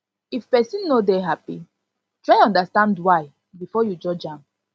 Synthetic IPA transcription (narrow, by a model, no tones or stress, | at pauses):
ifpɛsĩnːodeɦapḭ | tɹaɪɔ̃ndastãndwaɪ | bifɔjud͡ʒɔd͡ʒãm